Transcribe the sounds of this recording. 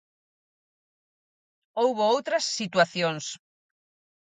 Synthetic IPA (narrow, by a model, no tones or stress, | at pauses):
owβoowt̪ɾɐsːit̪waθjoŋs